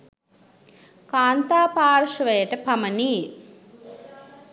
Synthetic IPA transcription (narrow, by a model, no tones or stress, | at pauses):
kaːnt̪aːpaːɾʂɐʋeːʈɐpɐmɐni